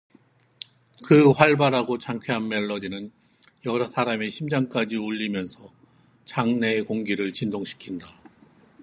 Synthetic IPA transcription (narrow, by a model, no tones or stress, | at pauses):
kɯɸwaɭbaɾaɡot͡ɕaŋkʰeɦanme̞ɭːʌdinɯn | jʌɾʌsʰaɾameɕʰimd͡ʑaŋk͈ad͡ʑiuʎːimjʌnsʰʌ | t͡ɕaŋne̞koŋɡiɾɯɭt͡ɕindoŋɕʰi̥kʰinda